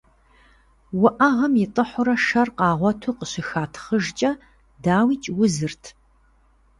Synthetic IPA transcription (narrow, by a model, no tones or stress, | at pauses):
wʊʔɐʁɐmjɪtʼɨħʷʊɾɐʃɐrqɑːʁʷɔtʰuːqəɕɪxaːtʰχəʒt͡ʃʼɐ | daːwiːt͡ʃʼwʊzɨrtʰ